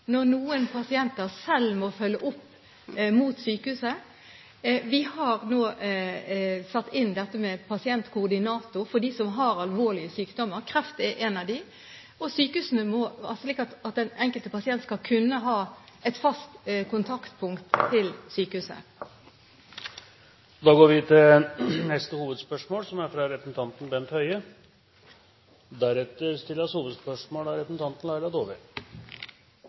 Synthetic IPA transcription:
nɔʁnuːənpʰɑsɪɛnt̪əʁsɛlːmɔfœlːəʔʊpː | muːt̪syːkəhʉːsə | ʋɪhɑɾnoː | sɑt̪ːɪnd̪ɛt̪ːəmɛpʰɑsɪɛnt̪kʰʊːd̪ɪnɑːt̪ʊɾfɔd̪iːsɔmɦɑɾɑlʋoːʁlɪəsyːkd̪ɔmːəɾkʰɾɛft̪ɛʔeːnɑʋd̪ɪ | ɔsyːkəhʉːsən̩əmɔɑ̰sʂliːkɑt̪ɑt̪̚d̪ɛnɛŋkəlt̪əpɑsɪɛnt̪skɑlkʰʉnːəɦɑːɛt̪fɑst̪kʊnt̪ʰɑkt̪pʰʊŋkt̪ʰːɪlsyːkəhʉːsə̰ | d̪ɑːɡoːɾʋɪt̪ʰɪnɛst̪əhuːʋəd̪spœʂmoːlsɔmæɾfɾɑɾɛpɾəsn̩t̪ʰɑnt̪n̩bɛnt̪hœʏə | d̪æɾɛt̪ːəɾst̪ɪlːəɑshuːʋəd̪spœʂmoːlæɾɛpɾsn̩t̪ʰɑnt̪n̩lɑɪlɑd̪oːʋəɾ

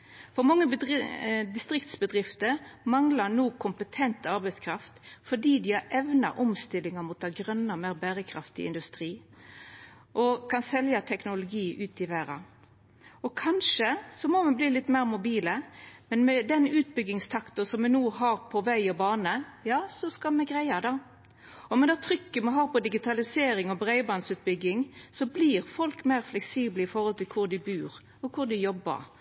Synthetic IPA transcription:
fɔɾmɑŋːəb̪ | d̪ɪst̪ɾɪkt̪sbəd̪ɾɪft̪əɾmɑŋlɑnuːkʰʊmpət̪ʰɛnt̪ɑɾbɛɪt̪skʰɾɑft̪fɔɖiːd̪ɪɑɾɛʋnɑ̰ʔɔmst̪ɪlːɪŋəmʊt̪ɑɡɾœnːəɔmeːɾbæːɾəkʰɾɑft̪ɪ̰ɪ̰nd̪ʉst̪ɾiː | ʔɔkʰɑnsɛljɑt̪ʰɛknʊlʊɡiːʔʉːt̪ɪʋæːɾɑ̰ | ɔkʰɑnʂəsɔmɔmɛbliːlɪt̪ːmæːʁmʊbiːləmɛnmɛd̪ɛnʉːt̪bʏɡːɪŋst̪ʰɑkt̪ʊsɔmʋɛnuːɦɑːɾpʰɔʋæɪɔbɑːnəjɑːsɔskɑmɛɡʁæɪɑd̪ɑ | ɔmɛd̪ɑːt̪ʰɾʏkːəmɛɦɑːʁpɔd̪ɪɡɪt̪ʰɑlɪseːɾɪŋɔbɾæɪbɑnsʉːt̪̚bʏɡːɪŋsɔbliːʁfɔlkmæɪʁflɛksiːbləɪfɔɾʁhɔlt̪ɪlkʰʊʁd̪ɪbʉːɾ | ɔkʰʊɾd̪ɪjɔbːə̰ɾ

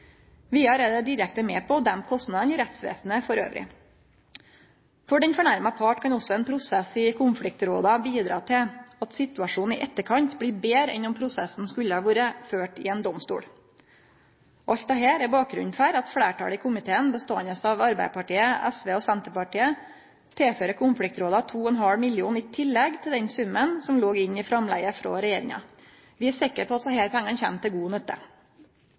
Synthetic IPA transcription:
ʋɪɑɾeːd̪əd̪ɪɾɛk̚t̪əmeːpʰɔd̪ɛmkʰɔst̪nɑd̪ənɪɾɛt̪sʋḛːsn̩əfɔɾø̰ːʋɾʔɪ̰ | fɔɖɛnfɔɳæɾmɑpʰɑːʈkʰɑnɔsːɔɛnpʰɾʊsɛsɪkʰʊnflɪk̚t̪ɾoːd̪ɑbiːd̪ɾɑ̰ːt̪ʰɪlɑt̪sɪt̪ʉɑʂuːn̩ɪʔɛt̪ːəkʰɑɲt̪bliːbeːɾɛ̰nʊmpʰɾʊsɛsn̩skʉlːəhɑːʋuːɾəføːʈɪɛːnd̪ɔmst̪ṵːɽ | ɔʔɑlt̪ɑɦæːɾæɾbɑːk̚ɡɾʉ̰ɲfæːɾɑt̪fɽeːʈɑ̰ːlɪkʰʊmɪt̪ʰeːənbəst̪oːɛnəsɑʋɑɾbæ̰ɪpʰɑʈiːəʔæsʋeːɔsɛnt̪əpɑʈiːə | t̪ʰeːføːɾəkʰʊnflɪk̚t̪ɾoːd̪ɑt̪ʰuːɛnɦɑlmɪljuːnɪt̪ʰɪlːɛɡt̪ʰɪld̪ɛnsʉmːənsɔmloːɡɪɲːɪfɾɑmlæ̰ɡəfɾɔ̰ɾɛjeːɾɪ̰ŋɑ̰ | ʋɪæsɪkəɾpʰɔɑt̪sɔheːpʰæŋːɑnçɛmt̪ʰɪlɡuːnœt̪ːə̰

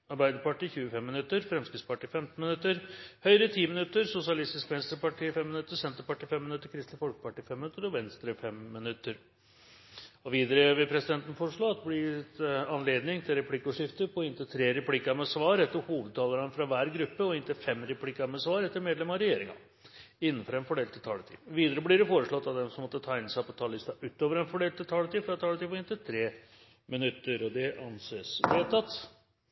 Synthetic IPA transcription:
ɑɾbæɪd̪əɾpɑʈiːçʉːəfɛmːɪnʉt̪ːəɾfɾɛmskɾɪt̪spɑʈiːfɛmt̪n̩mɪnʉt̪ːəɾhœʏɾət̪ʰiːmɪnʉt̪ːəɾsʊsɪɑlɪst̪ɪskʋɛnst̪ɾəpɑʈiːfɛmːɪnʉt̪ːəɾsɛnt̪əɾpɑʈiːfɛmːɪnʉt̪ːəɾkʰɾɪst̪lɪfɔlkə̥pɑʈiːfɛmːɪnʉt̪ːəɾɔʋɛnst̪ɾəfɛmːɪnʉt̪ːəɾ | ɔʋiːd̪əɾəʋɪpʰɾɛsɪd̪ɛnt̪n̩fɔʂɭoːɑt̪ːəblɪt̪ɑnleːd̪nɪŋt̪ʰɪlɾɛpʰlɪkːʊʂɪft̪əpʰɔɪnt̪ɪt̪ʰɾeːɾɛpʰlɪkːɑɾmɛsʋɑːɾɛt̪ːəɾhuːʋəd̪̚t̪ʰɑːləɾənəfɾɑʋæːɾɡɾʉpːəɔɪnt̪ɪfɛmɾɛpʰlikːɑmɛsʋɑːɾɛt̪ːəɾmeːd̪lɛmɑɑɾɛjeːɾɪŋɑ̰ | ɪnːənfɔɾɛnfɔɖeːlt̪ʰːɪt̪ʰɑːlət̪ʰḭːʋiːd̪əɾəblɪɾɛfoːɾəʂɭɔt̪ːɑʋd̪ɛmsɔmːɔt̪ːət̪ʰæːɪnəsæɪpʰɔt̪ʰɑːlɪst̪ɑʔʉːt̪oːʋəɾɛnfɔɖeːlt̪ːɪt̪ʰɑːlət̪iːfɾɑt̪ʰɑːlət̪iːpɔɪnt̪ɪt̪ʰɾeː | mɪnʉt̪ːəɾɔd̪ɛʔɑnseːsbɾet̪ʰːɑt̪ː

